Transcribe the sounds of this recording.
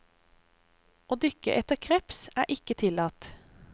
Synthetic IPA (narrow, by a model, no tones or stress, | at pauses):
oːd̪ʏkə̰ʔɛt̪əkʰʁɛpsæːʔɪkət̪ʰɪlɑːt̪